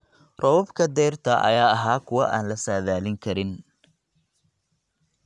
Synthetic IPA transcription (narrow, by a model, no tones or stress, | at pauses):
rɔwɔbkʰɐd̪ɛːrt̪ʰɐʔɐ̰jaːɐɦaːkʰʊwɑʔaːnlɐsaːðaːlɪŋkʰɐɾɪn